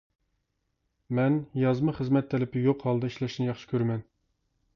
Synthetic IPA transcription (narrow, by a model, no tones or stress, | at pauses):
mɛnjɑzmɑχəzmɛt̪ʰːɛlɪpɪjoqhɑlˠd̪ɨiʃlɛʃnjɑχʃɪ̥kʲʰøɾmɛn